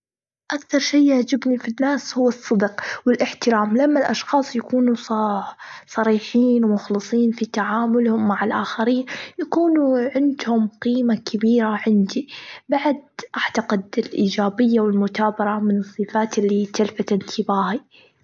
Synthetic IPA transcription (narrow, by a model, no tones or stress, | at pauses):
ʔakθɑɾˤʃiːahd͡ʒɪbnifinːaːshʊwːɨsˤːɨd̪qwɪlʔɪħt̪ɪɾaːmlamːalʔɑʃxɑːsˤjakuːnu | sˤɑɾiːħiːnwmʊxlɨsˤiːnfit̪aʕaːmʊlhʊmːaʕɪlʔaːxaɾiːnjakuːnuʕɪnd̪hʊmqiːmakʰabiːɾaʕɪnd̪ibaʕd̪̚ʔaʕt̪ɑqɪd̪ɪlʔiːd͡ʒaːbɪjːawɪlmʊt̪aːbɑɾˤɑmɪnɨsˤːɨfaːt̪ɪlːit̪alfat̪ʔɪnt̪ʰɪbaːhi